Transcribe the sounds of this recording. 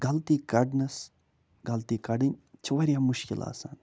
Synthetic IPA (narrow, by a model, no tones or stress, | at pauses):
ɡɐlt̪iːkɐɖnɐs | ɡɐlt̪ikɐɖinʲt͡ʃʰʋɐɾijamuʃkḭla̰ːsa̰ːn